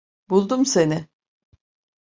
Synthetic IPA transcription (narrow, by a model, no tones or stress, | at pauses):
bulˠd̪umse̞nɪ